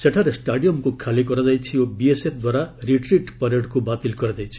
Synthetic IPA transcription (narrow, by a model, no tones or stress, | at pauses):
seʈʰaɾesʈaɽijɔmkukʰalikɔɾɔd͡zajt͡ʃʰiobiesep̚ʰd̪waɾaɾiʈɾiʈpɔɾeɽkubat̪ilkɔɾɔd͡ʒajt͡ʃʰi̥